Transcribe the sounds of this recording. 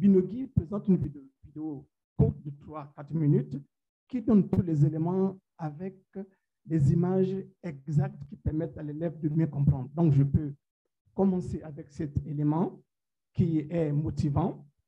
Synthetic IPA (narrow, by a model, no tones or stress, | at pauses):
binoɡipχezɑ̃t̪ynvidvid̪eo | kuʁt̪̚d̪ət̪χwakat̪χminyt̪ | kid̪ɔnt̪ulɛzelemɑ̃ | avɛk̚ | lɛzimaʒɛɡzak̚t̪kʲipɛʁmɛt̪alelɛvd̪əbjɛ̃kɔ̃pχɑ̃d̪ʁd̪ɔ̃kʒəpø | kɔmɑ̃seavɛksɛt̪elemɑ̃ | kiɛmot̪ivɑ̃